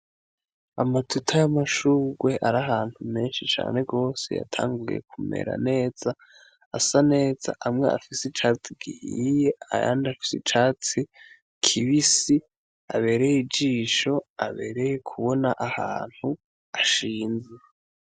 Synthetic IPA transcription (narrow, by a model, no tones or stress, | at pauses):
amatutʰajamaʃuːɡwe̞ʔaɾaɦaːn̥hume̞ːnʃit͡ʃa̰ːne̞ɡo̞ːse̞̰ja̰tʰa̰ːŋɡuje̞̰kʰume̞̰ɾa̰ne̞ːz̥a | asane̞ːz̥a̰ʔamŋe̞a̰fisit͡ʃaːt͡siɡihiijea̰ja̰ːndafi̥sit͡ʃaːt͡si | kʰiβisi | a̰βe̞ːɾejid͡ʒiːʃo̞aβe̞̰ːɾe̞jekʰuβo̞naʔahaːn̥hu | aʃiːnze